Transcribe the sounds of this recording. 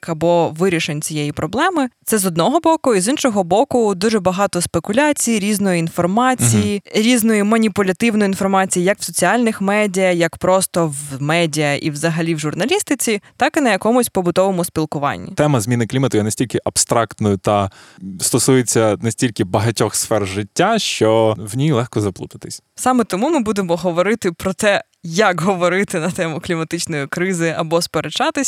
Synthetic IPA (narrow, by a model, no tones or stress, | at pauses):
kɐbɔʋɪɾʲiʃenʲt͡sʲijɛjipɾɔblˠɛmɪt̪sɛzɔd̪nɔɦɔbɔkʊizinʃɔɦɔbɔkʊd̪uʒɛbɐɦɑt̪ɔspekʊlʲat͡sʲijiɾʲiznɔjiinfɔrmɑt͡sʲijiɾʲiznɔjimɐnʲipʊlʲɐt̪ɪwnɔjinfɔrmɑt͡sʲijijɐkw̥sɔt͡sʲiɑlʲnɪxmɛdʲijɐjɐkpɾɔst̪ɔʋmɛdʲijɐʔiwzɐɦɐlʲiwʒʊrnɐlʲist̪ɪt͡sʲit̪ɑkɪnɐjɐkɔmʊsʲpɔbʊt̪ɔʋɔmʊspʲilˠkʊʋɑ̰nʲːḭt̪ɛmɐzmʲinɪklʲimɐt̪ʊjɛnɐsʲtʲilʲkɪʔɐbst̪ɾɑkt̪nɔjʊt̪ɐst̪ɔsujet͡sʲːɐnɐsʲtʲilʲkɪbɐɦɐtʲɔxsfɛrʒɪtʲːaʃt͡ʃɔwnʲijlˠɛxkɔzɐplˠṵt̪ɐt̪ɪsʲ | sɑmet̪ɔmumɪbud̪emɔɦɔʋɔɾɪt̪ɪpɾɔt̪ɛ | jɐkɦɔʋɔɾɪt̪ɪnɐt̪ɛmʊklʲimɐt̪ɪt͡ʃnɔjikɾɪzɪɐbɔspeɾet͡ʃɑt̪ɪsʲ